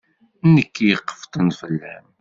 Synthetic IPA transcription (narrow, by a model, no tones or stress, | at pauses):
nːəkːjəqːə̥ft̪ˤənfəlːæm